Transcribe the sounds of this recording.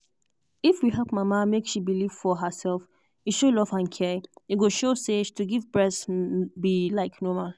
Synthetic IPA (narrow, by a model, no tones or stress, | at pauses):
ifwiɦɛlˠp̚mamamekʃibiliv̥fɔɦəsɛlf | iʃolɔvãnkʰɛɹiiɡoʃosetʰuɡivbɹɛsbilaɪknɔmal